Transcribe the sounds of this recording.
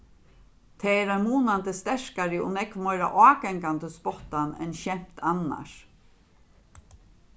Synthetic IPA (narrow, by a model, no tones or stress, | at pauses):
t̪ʰɛːɛːɾamuːnant̪əst̪ɛʂkaɾəʊ̰nɛkmɔjɾa̰ʔɑːɡɛŋkand̪əspɔht̪anɛ̰nçɛm̥t̪ʰana̰ʂ